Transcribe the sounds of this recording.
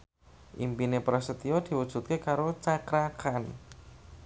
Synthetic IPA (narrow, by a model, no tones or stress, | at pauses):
ʔḭmpinepɾasət̪iɔd̪̥i̤wud̥ʒ̥ṳt̪̚kekaɾot͡ʃakɾakan